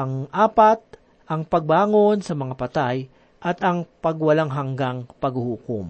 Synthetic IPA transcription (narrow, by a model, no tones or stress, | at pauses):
ɐŋʔaːpɐt̪̚ | ʔɐŋpɐɡ̚baːŋo̞nsɐmɐŋapɐt̪aj | ʔɐt̪ɐŋpɐɡwɐlaŋɦɐŋɡaŋpɐɡhuhuːkom